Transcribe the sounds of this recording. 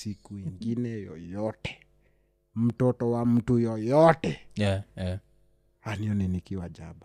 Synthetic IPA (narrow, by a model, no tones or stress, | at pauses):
sikuiŋɡinɛjɔ̰jɔtɛ̥ | m̩tɔtɔwam̩tujɔjɔtɛ | haniɔninikiwad͡ʒaba